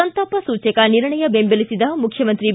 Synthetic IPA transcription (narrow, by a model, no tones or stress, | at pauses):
ɐnt̪ɐpɐsuːt͡ʃɐkɐniɾɳɐjɐbembelisid̪ɐmukʰjɐmɐnt̪ɾi